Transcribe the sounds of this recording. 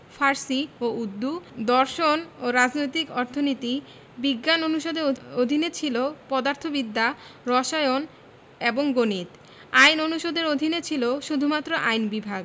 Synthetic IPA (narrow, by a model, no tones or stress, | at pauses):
fʰaɾsioʔud̪ːud̪ɔɾʃonoɾad͡ʑnojt̪ikɔɾt̪ʰonit̪i | biɡːanonuʃod̪eod̪ʱinet͡ɕʰilopɔd̪aɾt̪ʰobid̪ːaɾɔʃaeon | eboŋɡonit̪ | ajnonuʃod̪eɾod̪ʱinet͡ɕʰiloʃud̪ʱumat̪ːɾoʔajnbibʱaɡ